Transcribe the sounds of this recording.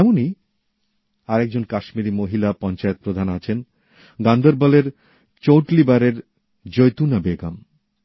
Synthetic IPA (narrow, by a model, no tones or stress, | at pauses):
ɛmoni | aɾek̚d͡ʑonkaʃmiɾimoɦilapɔnt͡ɕaet̪̚pɾod̪ʱanat͡ɕʰen | ɡand̪ʱoɾbaleɾ | t͡ɕowʈlibaɾeɾ | d͡ʑojt̪unabeɡam